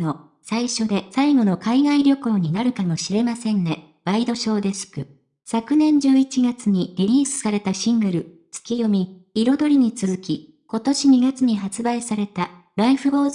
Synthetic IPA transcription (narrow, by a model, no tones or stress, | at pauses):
o | saiɕo̞d̪e̞saiɡo̞no̞kaiɡaiɾʲjo̞ko̞ːɲ̟inaɾɯ̟kamo̞ɕiɾe̞masẽ̞ŋɡe | b̥aid̪o̞ɕo̞ːd̪e̞sɨ̥kɯ̟ | sakɯ̟nẽ̞ɲ̟d͡ʑɨːit͡ɕiɡat͡sɨɲ̟iɾʲiɾʲiːsɨ̥saɾe̞t̪aɕĩŋɡɯɾɯ̟ | t͡sɨ̥kʲijo̞mʲiː | ɾo̞d̪o̞ɾʲiɲ̟it͡sɨzɨkʲi | ko̞t̪o̞ɕiɲ̟iɡat͡sɨɲ̟iɦat͡sɨbaisaɾe̞t̪a | ɾaiɸɯ̟bo̞ː